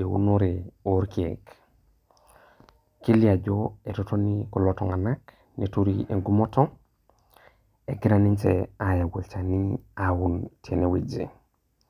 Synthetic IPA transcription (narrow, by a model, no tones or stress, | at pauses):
ewṵnoɾeoɾkiḛk | kiliaɟoetotonikolotoŋanak | netuɾieŋɡumotoŋ | eɡiɾanint͡ʃḛajawult͡ʃaniawuntʰenewed͡ʒḛ